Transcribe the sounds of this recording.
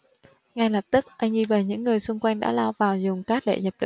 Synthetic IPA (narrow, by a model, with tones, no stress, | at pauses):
ŋa˧jlə˨˩p̚t̪ɨ˦˥k̚ʔa˧jŋzi˧vəː˨˩ɲɨ̰˧˥ŋːɨ˨˩əjsʊ˧ŋ͡mkwa˧jŋ̟ɗa̰ː˧˥la˧wvaː˨˩wzʊ˨˩ŋ͡mkaː˦˥k̚ɗḛ˧˨ɲə˨˩p̚ɗə̰˧˨